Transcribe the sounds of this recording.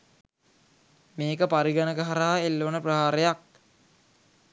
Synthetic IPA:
meːkəpaɾiɡanəɡəɦaɾaɦaelːoːnəprɐɦaːɾejak̚

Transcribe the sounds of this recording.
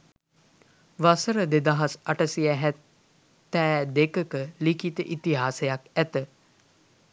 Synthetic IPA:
ʋasəɾəd̪ed̪aɦasaʈəsiæɦæt | t̪ːɛːd̪ekəkəlikit̪əʔit̪iɦaːsejakæt̪ə

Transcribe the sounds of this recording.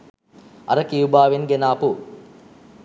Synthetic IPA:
ɐ̰ɾəkijubaːʋeŋɡenaːpu

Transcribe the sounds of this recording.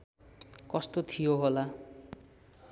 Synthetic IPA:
kɔst̪ot̪ʰijoɦola

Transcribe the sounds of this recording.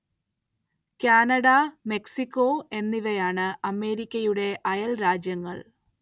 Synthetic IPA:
kaːnɐɽɐme̞ksikʲːoe̞nːiʋɐjaːɳɨʔɐme̞ːɾikʲːɐjuɽe̞ʔɐjɐlɾaːd͡ʑjɐŋːɐ̰ɭ

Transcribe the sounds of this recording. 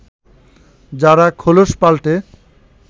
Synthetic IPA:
d͡ʑaɾakʰoloʃpalʈe

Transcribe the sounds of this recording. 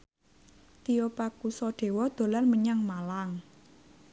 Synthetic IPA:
t̪iopakusɔɖ̪̥e̤wɔd̪̥o̤lalməɲaŋmalaŋ

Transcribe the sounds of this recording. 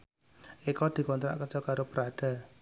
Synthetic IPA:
ʔikɔd̪̥i̤kɔnt̪ɾa̰ʔkər̥d͡ʒ̥ɔ̤kaɾopəɾaɖ̥a̤

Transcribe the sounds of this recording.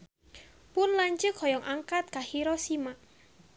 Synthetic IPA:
pʊnlaɲt͡ʃəkhɔjɔŋʔaŋkat̪̚kahiɾɔsimaʔ

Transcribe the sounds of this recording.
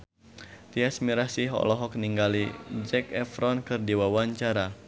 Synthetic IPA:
t̪iasmiɾahsiɦɔ̰lɔɦɔk̚niŋɡalid͡ʒɛkɛfɾɔnkɨrdiwawaɲt͡ʃaɾa

